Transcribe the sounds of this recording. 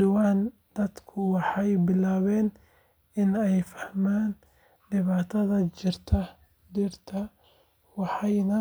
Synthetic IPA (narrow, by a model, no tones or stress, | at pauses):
d̪ʊwaːn | d̪̥ɐd̪kʰʊwɑħɑjbɪlaːβɛːn | ɪnɛjfɐ̥hmaːn | ɖɪβaːt̪ʰɐðɐt͡ʃɪrt̪ʰɐ | d̪ɪrt̪ʰɐ | wɑħɑjnɐ